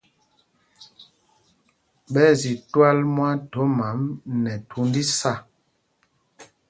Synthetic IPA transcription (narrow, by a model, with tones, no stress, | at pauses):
ɓɛ˦zi˨twa˦lmwa˦to˨˦ma˨˦mnɛ˨tʰu˨˦ndi˦sa˦˨